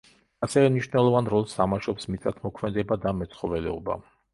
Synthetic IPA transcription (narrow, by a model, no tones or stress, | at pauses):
asɛvɛmniʃnɛlˠɔvanɾɔlˠsamaʃɔpsmit̪sʼat̪ʰmɔkʰmɛd̪ɛbad̪amɛt̪sʰχɔvɛlɛɔba̰